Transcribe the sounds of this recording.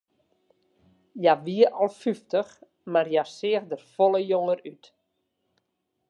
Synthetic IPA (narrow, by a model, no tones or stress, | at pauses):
jaʋiəɔlˠfyftəx | marjasɪəxdərfolˠəjoŋəryt